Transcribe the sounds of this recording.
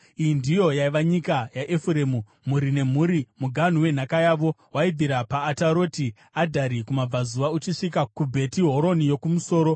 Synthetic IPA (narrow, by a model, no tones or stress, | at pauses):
ijindijo̞jaiʋaɲikajaʔefuɾe̞ːmu | muɾine̞m̤uɾimuɡʱan̤uwe̞n̤akajaːʋo̞waid̪ʱiɾapaːtaɾo̞ːti | adʱaɾikumab͡vazuʋaut͡ʃiʂikakubʱe̞tiɦo̞ɾo̞nijo̞kumuso̞ːɾo̞